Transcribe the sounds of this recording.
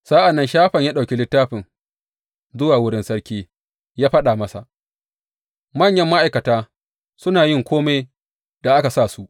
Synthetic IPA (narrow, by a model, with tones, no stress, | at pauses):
sa˦ʔa˨nːɐ˦nʃaː˦ɸɐ˨ɲjaː˦ɗa˨kʲi˦lɪ˦tːaː˦ɸɪ˨ŋ | zʊ˦waː˨wʊ˦ɽɪ˦nsɐ˦ɽkʲiː˦ | jaː˦ɸɐ˦ɗaː˨mɐ˦sa̰˨ʔ | mɐ˦˨ɲjɐ˦mːa˦ʔa˨jkɐ˨taː˦ | sʊ˦naː˨jɪ˦ŋkʷoː˦me˦j | d̥a˨ʔa˦ka˨saː˦˨su˦ʔ